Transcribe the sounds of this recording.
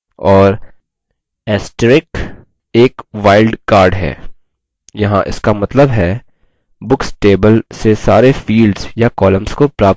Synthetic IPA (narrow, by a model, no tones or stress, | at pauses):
ɔːɾ | ɛːsʈɾɪk | eːkʋaːɪlɖkaːɾɖɦɛ̰ː | jɐɦãʔɪ̰skamɐt̪ləbɦɛ | bʊksʈeːbəlsesaːɾefiːlɖzjakɔːlə̃mskopɾaːp̚